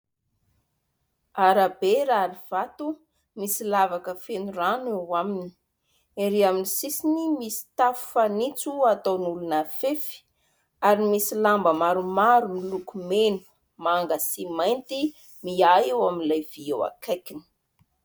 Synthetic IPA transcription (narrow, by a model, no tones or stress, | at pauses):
aɾabeɾaɾiv̥at̪u | misilavakəfenuranewamini̥ | eɾiaminisisinimisi̥t̪afu̥fanit͡suat̪onulunafefi̥ | aɾimisilambəmaɾumaɾumilukumenu̥ | maŋɡəsimajnt̪i | miajewaminlajv̥iewa̰kajkini̥